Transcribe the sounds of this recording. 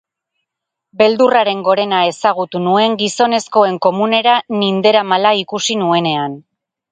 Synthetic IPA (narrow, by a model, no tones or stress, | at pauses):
be̞ld̪uraɾe̞ŋɡo̞ɾe̞nae̞saɣ̞ut̪unue̞ŋɡiso̞ne̞sko̞e̞ŋko̞mune̞ɾanind̪e̞ɾamalaikusinue̞ne̞an